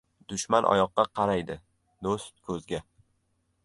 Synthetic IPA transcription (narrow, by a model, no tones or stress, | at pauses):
d̪̥ʊʃmanʔɒ̰jɒqːɑqʰɑɾajd̪ɪ | d̪ost̪̚kʰɵzɡʲa